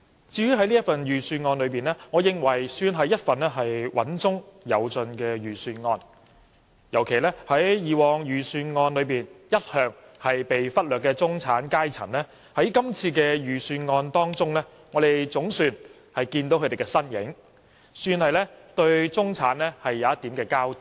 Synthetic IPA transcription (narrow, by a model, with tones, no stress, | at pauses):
t͡siː˨˧jy˨˥ɦɐ˨˥jliː˥ɐ˥t̚fɐ˨njyː˨˩syː˧nŋɔː˧nlɵ˨˧ɥpiː˨nɛː˥ŋɔː˨˧jɪ˨˧ŋwɐ˨˩jsyː˧nɦɐ˨˥jɐ˥t̚fɐ˨nlɛː˥ɦɐ˨jwʔɐ̰˨˥nt͡sʊ˥ŋjɐ̰˨˧wt͡sɵ˧nkɛː˧jyː˨˩syː˧nŋɔː˧n | jɐ˨˩wkʰe˨˩jlɛː˥hɐ˨˥jjiː˨˧wɔː˨ŋjyː˨˩syː˧nŋɔː˧nlɵ˨˧ɥpiː˨njɐ˥t̚hœː˨˧ŋ | hɐ˨jpe˨jfɐ˥t̚lœː˨˩kːɛː˧t͡sʊ˥ŋt͡sʰaː˨˥nkaː˥jt͡sʰɐ̰˨˩nlɛː˥ | hɐ˨˥jkɐ˥mt͡sʰiː˧kɛː˧jyː˨˩syː˧nŋɔː˧nt̪ɔː˥ŋt͡sʊ˥ŋlɛː˥ | ŋɔː˨˧d̪e˨˩jt͡sʊ˨˥ŋsyː˨˧n | hɐ˨jkiː˧nt̪o˨˥wkʰɵ˧t̪e˨˩kɛː˧sɐ˥njɪ̰˨˥ŋ | syː˧nhɐ˨jlɛː˥t̪ɵ˧ɥt͡sʊ˥ŋt͡sʰa̰ː˨˥nlɛ˥hɐ˨jːaː˨˧˦jɐ˥t̪iː˨˥mkɛː˧kaː˥wt̪